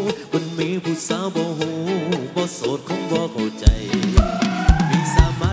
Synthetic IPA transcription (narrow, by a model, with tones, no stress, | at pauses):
mo˧nmiː˧˥pʰu˧˩saː˧˦˥wbɔː˧ɦu˧˦bɔː˧˦so˨˦t̪̚kʰɔ˧˥ŋbɔː˧˦kʰa˨˩wt͡ɕa˧j | miː˧˥saː˨˦maː˧˥